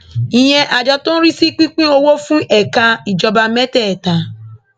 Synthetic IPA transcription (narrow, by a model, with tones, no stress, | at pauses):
i˨ɲe˦ʔa˨d͡ʒɔ˦tʊ̃˦ɾi˦si˦k͡pi˦k͡pĩ˦o˦wo˦fũ˦ʔe˨ka˦i˨d͡ʒɔ˨ba˨˦me˦te˦˨ta˨